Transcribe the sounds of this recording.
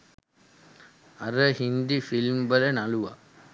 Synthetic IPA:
ɐɾɐhind̪ifilmbɐlɐnɐluʋa̰

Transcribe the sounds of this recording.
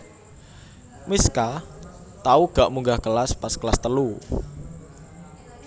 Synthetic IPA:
miska | t̪auɡ̥aʔmuŋɡahkəlaspaskəlast̪əlu

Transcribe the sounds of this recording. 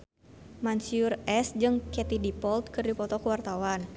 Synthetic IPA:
mansiurɛsd͡ʒɨŋkɛt̪idipɔlt̪̚kɨrdipɔt̪ɔkəwart̪awan

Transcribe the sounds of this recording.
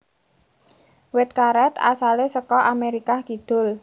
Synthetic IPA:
wɪt̪̚kaɾɛt̪a̰salesəkɔʔameɾikakid̪̥ʊ̤l

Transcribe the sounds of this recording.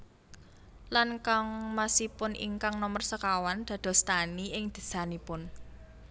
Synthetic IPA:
lankaŋmasipʊnʔḭŋkaŋnɔmərsəkawand̪̥a̤d̪̥ɔ̤st̪aniʔɪŋd̪̥ə̤̥sanipʊn

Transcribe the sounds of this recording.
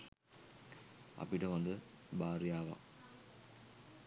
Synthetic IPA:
a̰piʈəʋand̪əbaːɾjaːʋa̰

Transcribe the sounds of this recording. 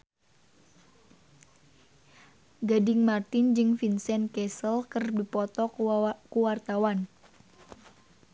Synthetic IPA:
ɡadɪŋmart̪ɪnd͡ʒɨŋfinsɛnkɛsəlkərbdipɔt̪ɔkuwart̪awan

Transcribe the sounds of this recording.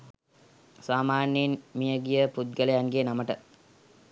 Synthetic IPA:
saːmaːnjenmijəɡijəpud̪̚ɡələjaŋɡenaməʈə

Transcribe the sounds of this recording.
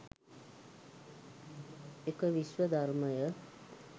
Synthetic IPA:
ekʌbiswʌd̪ʱʌrmʌjʌ

